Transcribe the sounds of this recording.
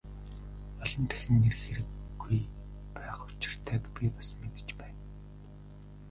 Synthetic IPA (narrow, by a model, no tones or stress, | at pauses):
ɔɮɞ̆nt̪ʰæ̥xɘ̆nːerxeɾɘ̆kɡuj | pæːχʊ̥t͡ɕɪ̆r̥t̪ʰæːkpʲipasmet̪ɘ̥̆t͡ɕpæːn